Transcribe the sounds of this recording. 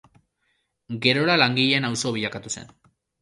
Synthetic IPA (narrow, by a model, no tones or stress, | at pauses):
ɡe̞ɾo̞ɾalaŋɡiʎeːnawso̞β̞iʎakat̪use̞̰n